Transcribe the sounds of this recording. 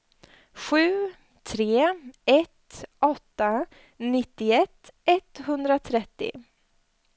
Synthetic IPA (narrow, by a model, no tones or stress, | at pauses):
ɧʉ̟ː | t̪ʰɾeːɛt̪ʔɔt̪ːa | nɪt̪ːɪɛt̪ːɛt̪hɵnd̪ɾat̪ʰɾɛt̪ːɪ̰